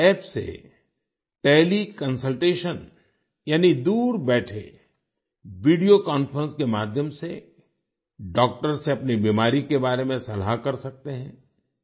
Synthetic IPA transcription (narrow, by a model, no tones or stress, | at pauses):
ɛːpsḛ | ʈeːlikɐ̃nsəlʈeːʃən | jaːnid̪uːɾbɛːʈʰḛ | ʋiːɖijokɔːnfəɾə̃nskemaːd̪ʱjəmse | ɖɔːk̚ʈəɾseɐpnibiːmaːɾikebaːɾemẽsɐlakɐɾsɐk̚t̪eɦɛ̃ː